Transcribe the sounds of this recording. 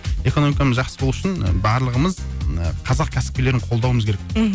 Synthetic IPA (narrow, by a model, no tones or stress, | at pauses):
e̞koo̞mikaməzʒɑqsəbolˠuʊʃɪnbɑɾlˠəʁəməzəqʰɑzɑq̚kʲʰæsɪ̥p̚kʲe̞le̞ɾɪɴqʰo̞lˠd̪ɑwəməzkʰʲeɾek